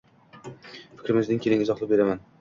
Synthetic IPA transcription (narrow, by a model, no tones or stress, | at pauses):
fɪ̥kʲɾɪmɪzɪŋkʲʰelɪŋɪzɒχlˠɪp̚beɾaman